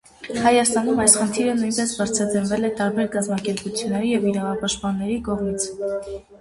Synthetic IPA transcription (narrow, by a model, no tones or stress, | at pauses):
hɑjɑst̪ɑnumɑjsχənt̪ʰiɾənujnpɛsbɑɾt͡sʰɑdəɾvɛlɛt̪ɑɾbɛɾkɑzmɑkɛɾput͡sʰjunːɛɾijɛviɾɑvɑpɑʃt̪̚pɑnːɛɾikɔʁmit͡sʰ